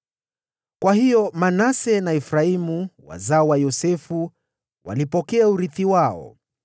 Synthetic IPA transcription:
kwahijɔmanasɛnaɛfɾaimuwa̰zaɔwajɔsɛfu | wa̰lipɔkɛauɾiθiwaɔ̰

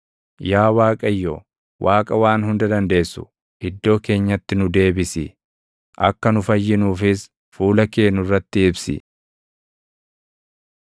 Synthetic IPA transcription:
jaːwaːkʼɐjːo | wʔaːkʼɐwaːnhʊnd̪ɐd̪ɐnd̪e̞ːsːʊ̥̰ | ʔɪd̪ːo̞ːke̞ːɲːɐt̪ːɪnʊd̪e̞ːbɪsɪ | ʔɐ̰kːɐnʊfɐjːɪnuːfɪs | fuːlɐke̞ːnːʊrːɐt̪ːɪɪbsɪ̰

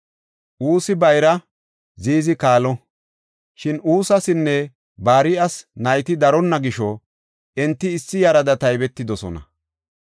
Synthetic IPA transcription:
ʔuːsɪbɐjɾɐ | ziːzɪkaːlɔ | ʃɪnuːsɐsɪnːɛ | baːɾɪʔɐsnɐjt̪ɪd̪ɐɾɔnːɐɡɪʃɔ | ɛnt̪ːɪːsːɪjɐɾɐd̪ɐt̪ɐjbɛt̪ːɪd̪ɔsɔ̰nɐ̰

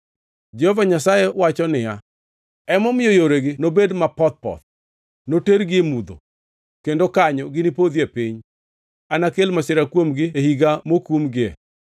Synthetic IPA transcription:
d͡ʒɛhɔvaɲasajewat͡ʃɔnɪja | ɛmɔmɪjojoɾeɡɪnobedmapɔt̪̚pɔ̰t̪̚ | noteɾɡɪemud̪o̰ | kendokaɲɔɡɪnɪpod̪iepiɲ | anakelmasɪɾakwomɡɪehiɡamokumɡɪɛ̰

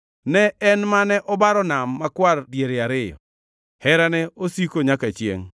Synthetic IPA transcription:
nɛɛnmanɛʔɔbaɾɔnamːakwardjeɾeaɾɪjɔ̰ | hɛɾanɛosikoɲakat͡ʃjḛŋ

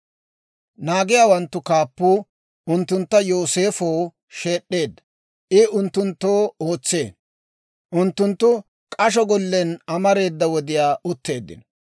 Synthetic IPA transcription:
naːɡɪjaːwɐnt̪ːʊkaːpːuː | ʊnt̪ːʊnt̪ːɐjo̞ːse̞ːfoː | ʃe̞ːɗːe̞ːd̪ːɐ̥ | ʔɪʊnt̪ːʊnt̪ːoːo̞ːt͡sːe̞̰ːn | ʔʊnt̪ːʊnt̪ːʊ | kʼɐʃ̬ɔɡɔlːɛnɐmɐɾe̞ːd̪ːɐwɔd̪ɪjaːʔʊt̪ːe̞ːd̪ːɪ̰n

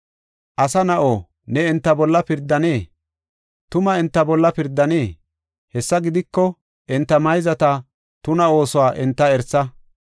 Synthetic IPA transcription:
ʔɐsɐnɐʔoː | nɛɛnt̪ːɐbɔlːɐpɪɾd̪ːɐne̞ː | t̪ʊmɐɛnt̪ːɐbɔlːɐpɪɾd̪ːɐneː | hɛsːɐɡɪd̪ɪkːɔ | ʔɛnt̪ːɐmɐjzɐt̪ɐ | t̪ʊnɐo̞ːsɔwaːʔɛnt̪ːɐɛɾsɐ

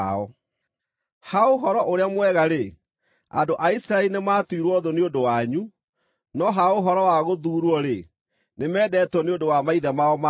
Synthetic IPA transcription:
ɔ | haoɦɔɾɔʔoɾeamwɛɣaɾe | a̰doʔaisiɾaɛlinemaːtwiɾwɔðoneodowaɲu | nɔɦaoɦɔɾɔwaɣoðuːɾɔɾe | nemɛːdɛːtwɔneondowamaiðɛmaɔma

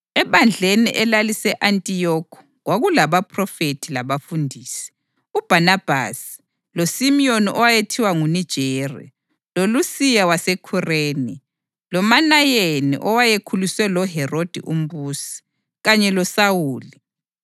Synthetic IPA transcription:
ɛβand͡ɮʱenḭʔɛlalisɛʔantʼijɔkʰɔ̥ | ɣwaɣulaβapʰʼrɔfetʰilaβafundʱiːsi̥ | ub̥ʱanab̥ʱa̰si̥ | losimioniʔɔwajetʰiwaŋunid̥ʒ̥ʱera̰ | lolusijawasekʰureːni | lɔmanajenḭʔɔwajekʰuluswɛlɔɦɛrod̥ʱḭʔum̩βuːsi̥ | ɣaɲɛlɔsawuːli

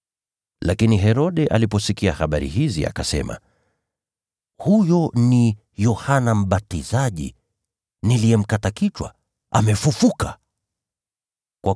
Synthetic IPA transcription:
lakiniɦɛɾɔɗɛʔa̰lipɔsikiahaɓaɾḭhizia̰kasɛ̰ma̰ | hujɔni | jɔhanam̩ɓatizaʄḭ | niliɛm̩katakit͡ʃwa̰ | ʔa̰mɛfufuka | kwa

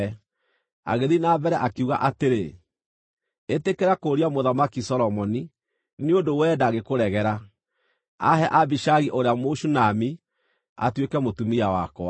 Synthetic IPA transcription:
a̰ɣeðinabɛɾɛʔakeuɣa̰ʔateɾe | etekeɾakoːɾiamoðamakisɔɾɔmɔni | neondowɛːdaːɣekoɾɛɣɛɾa | a̰ɦɛʔabiʃaɣiʔoɾeamoʃunami | a̰twekɛmotumiawakɔa

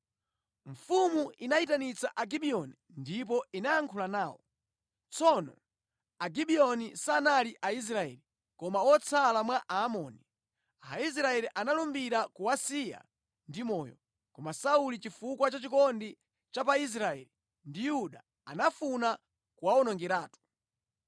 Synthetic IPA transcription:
ɱfumuinaitanit͡saʔaɡiɓiɔni | ndip̬ɔinaaŋkʰulanaːwɔ̰ | t͡sɔnɔ̰ | aɡiɓiɔnisaːnaliʔais̬ɾaɛ̰li | kɔmawɔt͡sʰalamwaʔaːmɔːni | ais̬ɾaɛliʔanalumbiɾakuasija̰ | ndimɔ̰ːjɔ̰ | kɔmasaulit͡ʃifukwat͡ʃat͡ʃikɔndi | t͡ʃapais̬ɾaɛ̰li | ndijuɗa | a̰nafuna | kuwaɔnɔŋɡɛɾaːtu̥

